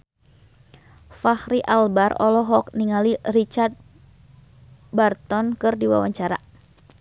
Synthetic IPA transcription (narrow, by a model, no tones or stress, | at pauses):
fahɾiʔalbarɔ̰lɔɦɔk̚niŋalirit͡ʃart̪̚ | bart̪ɔnkɨrdiwa̰waɲt͡ʃaɾa̰